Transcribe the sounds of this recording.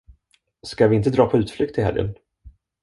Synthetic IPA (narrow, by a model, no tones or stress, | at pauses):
skavɪɪnt̪əd̪ɾɑːpʰɔʉ̟ːt̪flʏk̚t̪ʰɪhɛ̰ljə̰n